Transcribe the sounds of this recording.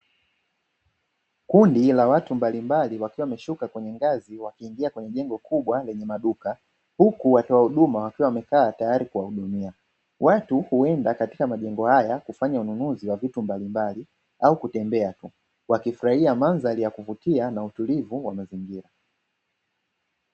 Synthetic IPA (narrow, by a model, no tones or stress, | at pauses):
kundilawatumbalimbaliwakiwamɛʃukakwɛɲɛŋɡaziwakiːŋɡiakwɛɲɛʄɛŋɡɔkʰuɓwalɛɲɛmaɗuka | hukuwatɔwahuɗumawakiwawamɛkaːtajaɾikuwauɗumia | watuhuɛndakatikamaʄɛŋɡɔhajakufaɲaununuziwavitumbalimbali | aukutɛmbɛatu | wakifuɾahiamanzalijakuvutianautulivuwamaziŋɡiɾa